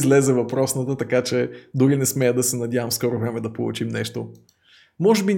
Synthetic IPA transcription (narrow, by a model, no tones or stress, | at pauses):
zlɛzɛvɐpɾɔsnət̪ət̪ɐkat͡ʃɛd̪ʊɾinɛsmɛjəd̪ɐsɛnɐd̪ʲjavəmskɔɾovɾɛmɛd̪ɐpolˠṵt͡ʃimnɛʃt̪o | mɔʒɛbinʲ